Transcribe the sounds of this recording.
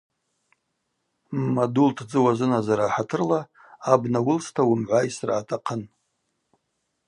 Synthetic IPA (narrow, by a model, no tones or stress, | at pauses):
mmadultʰd͡zɨwazɨnazaɾaːħatʰɨrlaː | bnawʊlstʰawʊmʕʷajsra̰ːtʰaqʰən